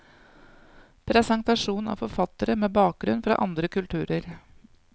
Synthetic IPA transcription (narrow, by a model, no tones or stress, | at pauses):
pʰɾɛsɛŋt̪ɑʂuːnɑ̰ːfɔɾfɑt̪əɾəmeːbɑːk̚ɡɾʉnfɾɑ̰ːʔɑnd̪ɾəkʉlt̪ʰʉːɾəɾ